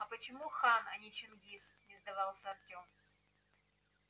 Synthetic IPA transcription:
ɐpət͡ɕɪmuxanɐ̰nʲɪt͡ɕɪnɡʲisnʲɪzd̪ɐvɑlˠsʲəɐtʲom

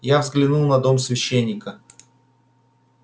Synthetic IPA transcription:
javzɡlʲɪnulˠnɐd̪o̞msvʲɪɕːenʲːɪkə

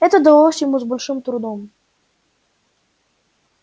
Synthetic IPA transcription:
ɛt̪əd̪ɐlˠosʲjɪmuzbolʲʂɨmt̪ɾʊd̪om

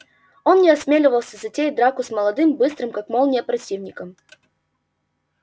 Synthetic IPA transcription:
o̞nnʲɪɐsmʲelʲɪvəlˠsʲəzɐtʲed̪ɾakʊsməlˠɐd̪ɨmbɨst̪ɾɨmkakmolˠnʲeəpɾɐtʲivnʲɪkəm

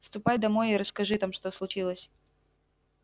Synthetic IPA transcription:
st̪ʊpajd̪ɐmo̞jɪɾəskɐʐɨt̪amʂt̪o̞slˠʊt͡ɕilˠəsʲ

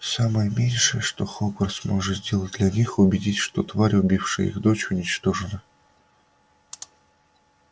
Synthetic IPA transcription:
saməjəmʲenʲʂɨjəʂt̪oxoɡərsmoʐɨzʲdʲe̞lˠət̚ʲd̪lʲɐnʲixʊbʲɪdʲitʲʂt̪ot̪vaɾʲʊbʲifʂɨjḭxd̪ot͡ɕʊnʲɪt͡ɕt̪oʐɨnə

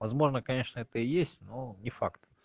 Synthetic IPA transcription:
vɐzmo̞ʐnəkɐnʲe̞ʂnəɛt̪əɪjesʲtʲnonʲɪfakt̪

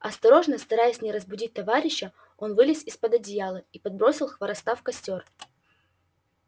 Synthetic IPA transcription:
ɐst̪ɐɾo̞ʐnəst̪ɐɾajɪsʲnʲɪɾəzbʊdʲit̚ʲt̪ɐvaɾʲɪɕːə | o̞nvɨlʲɪsʲɪspəd̪ɐdʲɪjalˠəipɐd̪̚bɾo̞sʲɪlˠxvɐɾɐst̪afkɐsʲtʲo̞r

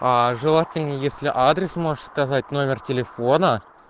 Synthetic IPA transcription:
aʐɨlˠatʲɪlʲnʲəjesʲlʲɪʔad̪ɾʲesmo̞ʐɨt̪skazat̚ʲno̞mʲɪrtʲelʲe̞fo̞nə

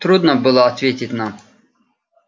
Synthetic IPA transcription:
t̪ɾud̪nəbɨlˠəɐt̪vʲetʲɪtʲnam

